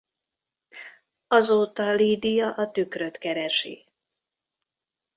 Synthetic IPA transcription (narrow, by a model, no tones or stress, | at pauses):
ɒzoːt̪ɒliːd̪ijɒʔɒt̪ykrø̞t̪kɛɾɛʃḭ